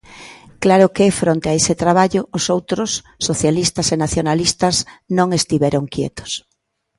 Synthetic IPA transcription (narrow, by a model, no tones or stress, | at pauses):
klaɾʊkeɛfɾont̪eaesɪt̪ɾaβaʎʊosowt̪ɾʊsːoθjalist̪ɐsenaθjonalist̪ɐznõŋest̪iβɛɾoŋkjɛ̰t̪o̥s